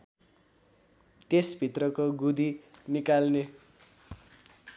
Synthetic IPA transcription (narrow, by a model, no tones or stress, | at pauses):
t̪esbʱit̪rʌkoɡud̪inikalne